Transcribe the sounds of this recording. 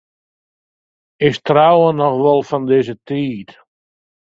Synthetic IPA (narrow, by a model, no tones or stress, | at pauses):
ɪstrawənɔxʋɔlˠfɔndɪzətiːt